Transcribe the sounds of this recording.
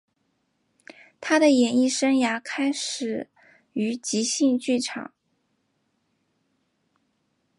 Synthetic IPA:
t̪ʰa˥ɾə˨jɛ˨˩ni˥˩ʂə˥nja˧˥kʰa˥ɪʂɻ̩˨˩ | y˧˥t͡ɕi˧˥ɕi˥˧ŋt͡ɕy˥˩ʈ͡ʂʰɑ̰˨˩˦ŋ

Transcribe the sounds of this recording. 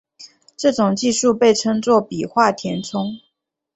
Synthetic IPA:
ʈ͡ʂɤ˥˩ʈ͡ʂʊ˨˩ŋt͡ɕi˥˧ʂu˥˧pe˥˩ɪʈ͡ʂʰɤ˥ŋt͡swɔ˥˩pi˨˩xwa˥˩t̪ʰjɛ˧˥nt͡sʰʊ˥ŋ

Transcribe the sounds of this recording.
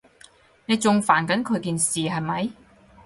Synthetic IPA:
ne˨˧jt͡sʊ˨˧ŋfaː˨˩nkɐ˨˥nkʰɵ˨˧ɥkiː˨˧nsiː˨ɦɐ˨jmɐ˨˥j

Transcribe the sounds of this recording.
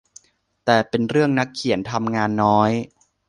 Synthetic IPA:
t̪ɛː˨˩pe˧nɾɯ˥˩əŋna˦˥kʰːi˩˦ənt̪ʰa˧mŋaː˧nːɔː˦˥j

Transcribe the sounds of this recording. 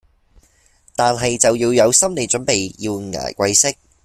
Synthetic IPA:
t̪aː˨nɦɐ˨jt͡sɐ˨wjiː˧wjɐ˨˧wsɐ˥mle˨˧jt͡ʃɵ˨˥npe˨jji˧wŋa̰ː˨˩jkʷɐ˧jsɪ˥k̚

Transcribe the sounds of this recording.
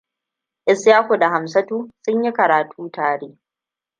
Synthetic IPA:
ʔɪ˨sjaː˦hu˨da˨ɦa˨msɐ˦tuː˦sʊ˦ɲji˦kɐ˨ɾaː˨tʰuː˦taː˨ɽeː˦

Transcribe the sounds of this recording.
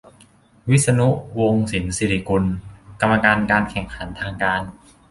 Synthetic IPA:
wi˦˥t̪̚sa˧nu˦˥ʔwo˧ŋsi˩˦nsi˨˩ɾi˧˩ku˧nka˧mːa˧kaː˧nkaː˧nkʰɛ˨˩ŋkʰa˩˦nt̪ʰaː˧ŋkaː˧n

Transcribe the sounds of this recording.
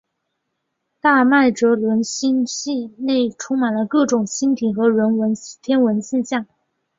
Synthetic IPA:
t̪a˥˧ma˥˩ɪʈ͡ʂɤ˧˥lwə˧˥nɕi˥nɕi˥˧ne˥˩ɪʈ͡ʂʰʊ˥ŋma˨˩nlə˦kɤ˥˩ʈ͡ʂʊ˨˩ŋɕi˥nt̪ʰi˨˩xɤ˧˥ɻə˧˥nwə˧˥n˥t̪ʰjɛ˥nwə˧˥nɕi˥˧nɕjɑ˥˩ŋ

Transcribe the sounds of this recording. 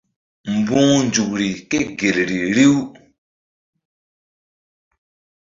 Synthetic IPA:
m̩˨bũː˦nd͡ʒu˨k̚ɾi˨ke˦ɡe˨lɾi˨ɾi˦w

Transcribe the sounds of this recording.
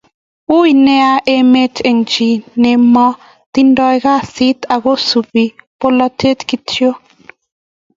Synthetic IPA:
u˦i˨nɛ˦a˦ʔe˦me˦te˨ŋt͡ʃi˨ne˨mɔ˦ | t̪i˦ndɔ˦jka˦˨si˦t̪a˨ɡo˦su˨bi˨po˦lɔ˦tʰe˦tki˦tjo˦

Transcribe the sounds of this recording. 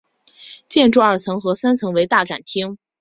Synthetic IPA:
t͡ɕjɛ˥˧nʈ͡ʂu˥˩˧ɐə˞˥˩t͡sʰɤ˧˥ŋxɤ˧˥sa˥nt͡sʰɤ˧˥ŋwe˧˥ɪt̪a˥˩ʈ͡ʂa̰˨˩nt̪ʰi˥ŋ

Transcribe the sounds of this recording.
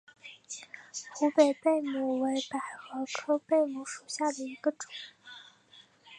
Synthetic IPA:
xu˧˥pe˨˩ɪpe˥˩ɪmu˨˩we˧˥ɪpa˨˩ɪxɤ˧˥kʰɤ˥pe˥˩ɪmu˧˥ʂu˨˩ɕja˥˩d̪ə˩i˧˥ɡə˧ʈ͡ʂʊ˨˩˦

